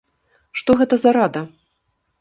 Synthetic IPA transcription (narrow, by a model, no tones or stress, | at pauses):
ʂt̪ɔɣɛt̪ɐzɐɾad̪ɐ